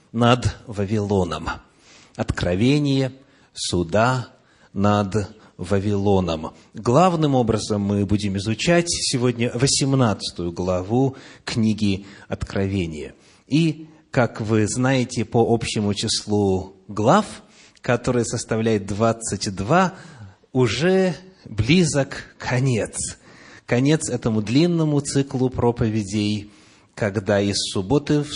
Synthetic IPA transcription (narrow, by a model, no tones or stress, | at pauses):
nəd̪vəvʲɪlˠo̞nə̰m | ɐt̪kɾɐvʲenʲɪjə | sʊd̪a | nəd̪ | vəvʲɪlˠo̞nəm | ɡlˠavnɨmo̞bɾəzəmːɨbudʲɪmɪzʊt͡ɕætʲsʲɪvo̞dʲnʲəvəsʲɪmnat̪sɨ̥t̪ʊjʊɡlˠɐvuknʲiɡʲɪɐt̪kɾʔɐvʲenʲɪjə̰ | i | kakvɨznajɪtʲɪpəʔopɕːɪmʊt͡ɕɪslˠuɡlˠaf | kɐt̪o̞ɾɨjəsəst̪ɐvlʲæjɪt̪̚d̪vat̪sɨtʲd̪va | ʊʐɛblʲizəkʰːɐnʲe̞t̪skɐnʲe̞t̪sɛt̪əmʊd̪lʲinːəmʊt̪sɨklˠʊpɾo̞pəvʲɪdʲɪj | kɐɡd̪aɪsːʊbo̞t̪ɨf